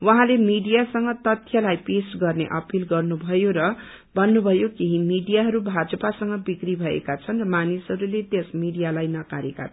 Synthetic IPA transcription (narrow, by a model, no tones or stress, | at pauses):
wʌɦãlemiɖijasʌŋɡʌt̪ʌt̪ʰjʌlajpesɡʌrnḛʔʌpilɡʌrnubʱʌjoɾʌ | bʱʌnːubʱʌjokiɦimiɖijaɦʌɾubʱad͡zʌpasʌŋɡʌbikribʱʌḛkat͡sʰʌnrʌmanisɦʌɾulet̪esmiɽijalajnʌkaɾeka̰t̪ʰ